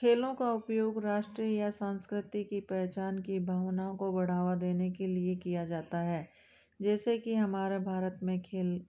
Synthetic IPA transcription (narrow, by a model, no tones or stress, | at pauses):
kʰeːlõkaʊpjoːɡɾaːʃʈɾiəjasãːnskɾɪt̪ikipɛːt͡ʃaːnkibʱaːʋnaːõkobɐɽ̤aːʋad̪eːnekeliekijad͡ʒaːt̪aɦɛː | d͡ʒɛːsekiɦɐmaːɾebʱaːɾət̪mẽkʰeːl